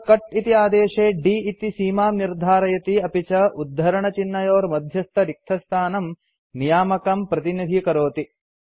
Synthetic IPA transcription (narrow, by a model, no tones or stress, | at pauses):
kɐʈit̪iaːd̪eːʂeːɖiːit̪isiːmaːmniɾd̪ʱaːɾɐjɐt̪iɐpit͡ʃɐʔud̪ʱːɐɾɐɳɐt͡ʃinːɐjoːɾmɐd̪ʱjɐst̪ʰɐɾik̚t̪ʰɐst̪ʰaːnɐm | nijaːmɐkɐmpɾɐt̪inid̪ʱikɐɾoːt̪i